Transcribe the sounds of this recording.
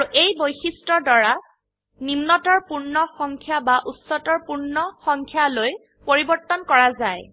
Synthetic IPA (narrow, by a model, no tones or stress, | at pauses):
uʔejbojxistɹɔdɔɹa | nimnɔtɔɹpuɹnɔxɔŋkʰjabaʔutsɔtɔɹpuɹnɔxɔŋkʰjaloj | poɹibɔɹt̪ɔnkɔɹazaj